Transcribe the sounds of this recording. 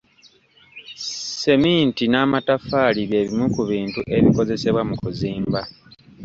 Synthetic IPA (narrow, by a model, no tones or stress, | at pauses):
se̞miːntinaːmatafaːliβje̞ːβimukuβiːntuʔe̞βiko̞ze̞se̞βwamukuziːmba